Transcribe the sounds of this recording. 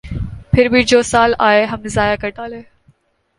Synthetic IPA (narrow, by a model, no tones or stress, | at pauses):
pʰɪɾbʱid͡ʑoːsaːlaːeɦɐmzaːjakɐʈaːleː